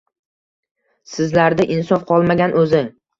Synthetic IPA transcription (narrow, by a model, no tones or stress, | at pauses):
sɪzlaɾd̪aʔɪnsɒfqʰɒlˠmaɡʲanʔɵzɪŋ